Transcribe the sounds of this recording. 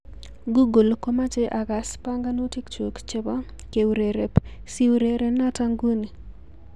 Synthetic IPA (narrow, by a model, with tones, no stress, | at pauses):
ɡu˦ɡo˨lko˦ma˦t͡ʃe˦ʔa˨ɡa˨spa˦ŋɡa˦no˦ti˦kt͡ʃo˨kt͡ʃe˦ba˦ | ke˨wɾe˨ɾe˨psi˦wɾe˨ɾe˨na˦ta˦ŋɡu˦ni˨